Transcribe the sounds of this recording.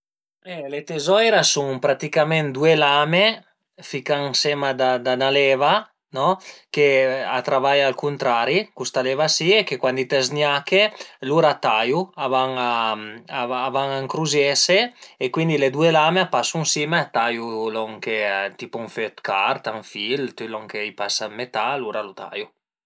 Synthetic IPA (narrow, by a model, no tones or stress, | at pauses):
ɛlet̪ezɔjɾasuŋpɾat̪ikamɛnd̪uelame | fikaŋsɛmad̪ad̪analɛːva | nɔkea̰t̪ɾavajalkunt̪ɾaɾikust̪alevasiekekwand̪it̪ɛznjakeluɾat̪ajuavaŋaaːvaŋaŋkɾuzjɛseekwind̪iled̪uelameapasuŋsimeat̪ajulɔŋket̪ipuuŋføt̪kart̪aŋfilt̪ylɔŋkeipasamet̪aluɾalut̪a̰ju